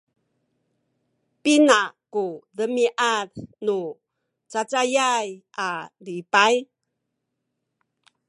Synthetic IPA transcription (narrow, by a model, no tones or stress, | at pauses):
pinakuðəmiʔaɾnu | t͡sat͡sajaj | alipaj